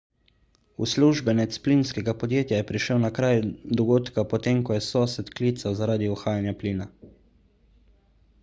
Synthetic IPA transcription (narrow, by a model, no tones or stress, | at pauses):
ṵsluʒbɛnɛt̪spliːnskɛɡapɔd̪jeːt̪jajɛpɾiʃəwnakɾaːjd̪ɔɡoːt̪kapɔt̪eːmkɔjɛsɔːsɛt̪klit̪sazaɾaːd̪iɔxaːjanjapliːna